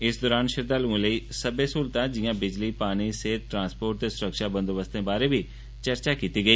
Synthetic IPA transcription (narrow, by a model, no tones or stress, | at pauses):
ɪsd̪ɔːɾaːnʃɪɾd̪aːluõləiːsəbesuːlt̪ãːd͡ʒɪjãːbɪd͡ʒliːpaːñiseːt̪̚ʈɾãːnspoːɾʈ̚t̪eːsʊɾəkʃaːbə̃nd̪obəst̪ẽːbaːɾeːbʱiː | t͡ʃəɾt͡ʃaːkiːt̪iːɡəiː